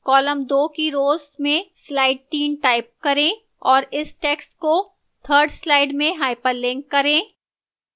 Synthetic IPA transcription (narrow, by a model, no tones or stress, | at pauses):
kɔːləmd̪oːkiɾoːzmẽslaːɪɖ̚t̪iːnʈaːɪp̚kɐɾẽ | ɔːɾɪsʈeːksʈko | t̪ʰəːɾɖslaːɪɖmẽɦaːɪpəɾlɪ̃ŋkːɐɾẽː